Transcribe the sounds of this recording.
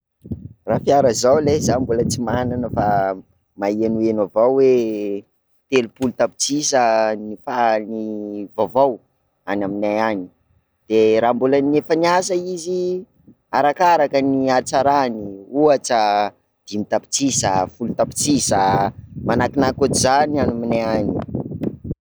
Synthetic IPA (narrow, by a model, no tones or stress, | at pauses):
rafiaɾəzawlezambulət͡simananəfa | maenuenavawwe | t̪elupulut̪api̥t͡sisənifanivavaw | anaminajani̥ | d̪̥eɾambulanefəniasəizi | aɾakaɾakəniat͡saɾaniuat͡sə | d̪̥imit̪api̥t͡sisəfulut̪api̥t͡sisəmanakinakut͡sizanianaminaani